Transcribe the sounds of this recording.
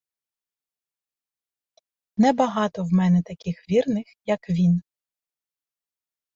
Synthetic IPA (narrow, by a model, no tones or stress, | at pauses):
nɛbɐɦɑt̪ɔwmɛnɛt̪ɐkʲɪxʋʲirnɪxjɐkʋʲin